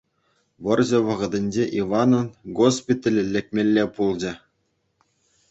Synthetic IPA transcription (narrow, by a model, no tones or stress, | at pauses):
ʋɤ̆rʑɘ̆ʋɤ̆ʁɤ̆d̪ʲɘ̆nʲd͡ʑeʔiʋɑnɤ̆nɡospʲit̪ʲelʲĕlʲːɘ̆k̚ʲmʲelʲːepulˠd͡ʑɘ̆